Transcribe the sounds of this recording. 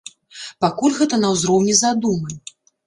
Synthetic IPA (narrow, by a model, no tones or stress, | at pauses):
pakulʲɣɛt̪ɐnɐwzɾɔwnʲɛzad̪umɐ